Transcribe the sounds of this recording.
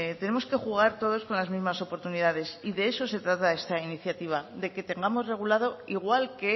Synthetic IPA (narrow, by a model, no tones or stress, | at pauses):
t̪e̞ne̞mo̞ske̞xuɣ̞aɾt̪o̞ð̞o̞sko̞nlazmizmaso̞po̞ɾt̪uniðað̞e̞siðe̞e̞so̞se̞t̪ɾat̪ae̞st̪ainiθjat̪iβ̞aðe̞ke̞t̪e̞ŋɡamozre̞ɣ̞ulað̞o̞iɣ̞walke̞